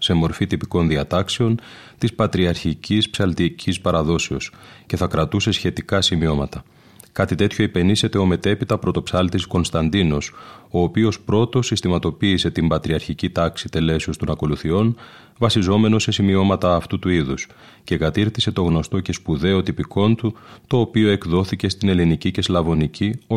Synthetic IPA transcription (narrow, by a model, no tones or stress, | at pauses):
se̞mo̞ɾfit̪ipiko̞nðiɐt̪ɐkse̞o̞n | t̪ispɐt̪ɾiɐɾçicispsɐlt̪icʰispɐɾɐðo̞seo̞sce̞θɐkɾɐt̪use̞sçe̞t̪ikɐsimio̞mɐt̪ɐ | kɐt̪it̪e̞t̪ço̞ipe̞nise̞t̪e̞o̞me̞t̪e̞pit̪ɐpɾo̞t̪o̞psɐlt̪isko̞nst̪ɐnd̪ino̞so̞ːpio̞spɾo̞t̪o̞sist̪imɐt̪o̞piːse̞t̪imbɐt̪ɾiɐɾçicit̪ɐksit̪e̞le̞siust̪o̞nɐko̞luθio̞n | vɐsizo̞me̞no̞se̞simio̞mɐt̪ɐːft̪ut̪uiðus | ce̞kɐt̪iɾθise̞t̪o̞ɣno̞st̪o̞ce̞spuðe̞o̞t̪ipiko̞nt̪ut̪o̞ːpio̞e̞kðo̞θice̞st̪ine̞linicice̞slɐvo̞nicio